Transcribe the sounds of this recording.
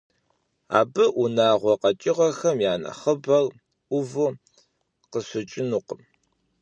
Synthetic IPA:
a̰ːbɨʔunaːʁʷɔqɐt͡ʃʼɪʁɐxɐmjaːnɐ̰χəbɐr | ʔʷʊvɨ | qəsʷɨt͡ʃʼɪnuqəm

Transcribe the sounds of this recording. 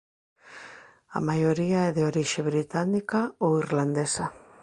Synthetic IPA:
a̰majoɾiaɛðeoɾiʃeβɾit̪anikaoiɾland̪esa

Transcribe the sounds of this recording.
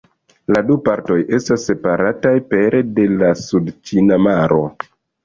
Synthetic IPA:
ladupaɾto̞jʔe̞stasːe̞paɾatajpe̞ɾede̞lasudt͡ʃinamaɾo̞̰

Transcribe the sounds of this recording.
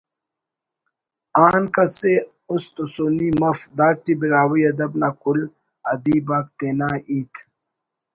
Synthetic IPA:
aːnkɐse | ʊst̪usoːnimɐfd̪aːʈːibiɾaːwijɐd̪ɐbnakul | ɐd̪iːbaːk̚t̪eːnaːʔiːt̪ʰ

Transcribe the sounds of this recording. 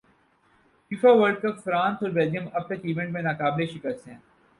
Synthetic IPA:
fiːfaʋəɾɖ̚kəpfɾãːnsɔːɾbɛlijə̃mɐb̚t̪ɐkiːʋẽɳʈmẽnaːkaːbleʃɪkəst̪ɦɛ̃ː

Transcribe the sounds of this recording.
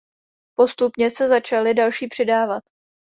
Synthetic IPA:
po̞st̪upɲɛsɛzat͡ʃalɪdalʃiːpr̝̥ɪdaːvat̪

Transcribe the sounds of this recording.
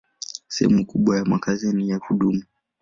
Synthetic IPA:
sɛhɛ̰mukuɓwajamakazinijakuɗumu

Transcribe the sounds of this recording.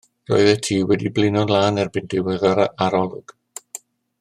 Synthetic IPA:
rɔ̰ːɨðɛtʰiːwɛdiblɪnɔdlˠaːnɛrbɪndɪwɛðɔɾaaɾɔlˠʊɡ̥

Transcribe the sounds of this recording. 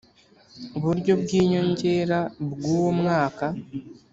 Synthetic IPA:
uβuɾɟo̞bɡiːɲo̞ɲɟe̞ːɾabɡuːwomŋaːka

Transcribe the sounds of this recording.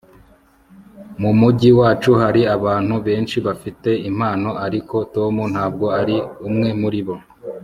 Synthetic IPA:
mumuɟiwaːt͡ʃuɦaɾiaβaːn̥huβe̞ːnʃiβafite̞im̥haːno̞ʔaɾiko̞to̞mun̥haːb̚ɡo̞aɾiumŋe̞muɾiβo̞

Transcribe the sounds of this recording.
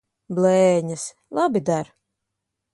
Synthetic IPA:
blɛːɲas | lˠabid̪aɾ

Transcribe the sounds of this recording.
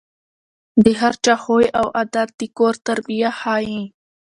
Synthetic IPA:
d̪əɦaɾt͡ʃaxojawʔad̪at̪̚d̪əkoɾt̪aɾbijahɑːjĩ

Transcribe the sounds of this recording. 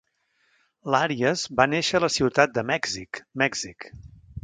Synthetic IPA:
laɾiəzbaneʃələsiwt̪at̪̚d̪əmɛɡzikmɛɡz̥ik

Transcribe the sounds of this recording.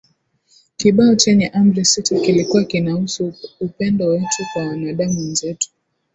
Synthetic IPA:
kiɓaɔt͡ʃɛɲɛʔambɾɛsitikilikuwakinausuːpɛndɔwɛtʰukwawanaɗamuɛnzɛtu̥

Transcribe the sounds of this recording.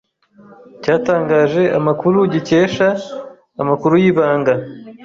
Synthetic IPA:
caːtaːŋɡaːʒe̞ʔa̰makuɾuɟice̞ːʃaː | makuɾujiːβaːŋɡa

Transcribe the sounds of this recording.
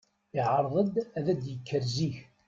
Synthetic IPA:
ɪʕəɾˤʁəd̪æðæd̪jəkʰːəɾziç

